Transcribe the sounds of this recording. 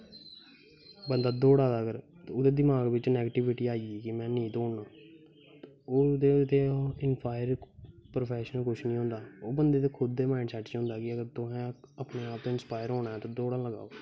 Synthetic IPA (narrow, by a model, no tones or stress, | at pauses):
bənd̪aːd̪oːɽaːd̪aːɡəɾt̪ːʊd̪eːd̪ɪmaːɡʋɪt͡ʃnɛːɡəʈɪʋɪʈiːaːiiːkɪmɛ̃ːnĩːt̪oːɳnãː | oːd̪eːt̪eːɪnpʰaːɪəɾpɾopʰɛːʃənəlkʊʃʰnĩːɦõːnd̪aːoːbənd̪eːt̪̬eːkʰʊd̪ːeːmãːɪɳɖsɛʈʰːt͡ʃʊ̃ːnd̪aːkɪəɡəɾt̪ʊɦɛ̃ːəpneːaːp̚t̪õːɪnspaːjəɾɦoːnaːɛːt̪õːd̪oːɽãːləɡa̰ːoː